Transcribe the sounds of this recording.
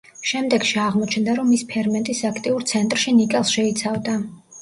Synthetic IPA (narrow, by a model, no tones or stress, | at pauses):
ʃɛmd̪ɛɡ̥ʃiaʁmɔt͡ʃʰnd̪aɾɔmːispʰɛɾmɛnt̪ʼisakʰt̪ʼiuɾt̪sʰɛnt̪ʼɾʃinikʼɛlˠsʃɛit̪sʰavd̪a